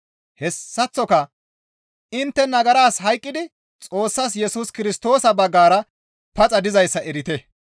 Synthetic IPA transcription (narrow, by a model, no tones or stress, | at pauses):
hɛsːɐt͡sːɔkɐ | ɪnt̪ːɛnɐɡɐɾaːsɦɐjkʼːɪd̪ɪ | t͡sʼo̞ːsːas̬jɛsʊskɪɾɪst̪o̞ːsɐbɐɡːaːɾɐ | pɐt͡sʼɐd̪ɪzɐjsːɐɛɾɪt̪ɛ